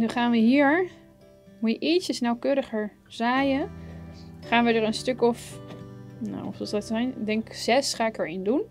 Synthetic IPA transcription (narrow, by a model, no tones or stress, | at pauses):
nyχaːnʋəɦiːɹ | mujəʔisəsnawkøːɾəχəɹ | zaːjə | χaːnʋədəɹənstɵkɔf | na̰wɔfsɔsdɑtsɛjnɪɡdɛŋkz̥ɛsχaːɪkəɹɪndun